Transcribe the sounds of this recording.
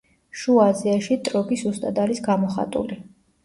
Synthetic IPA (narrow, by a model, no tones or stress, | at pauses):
ʃuaziaʃit̪ʼɾɔbisust̪ʼad̪alisɡamɔχa̰t̪ʼṵli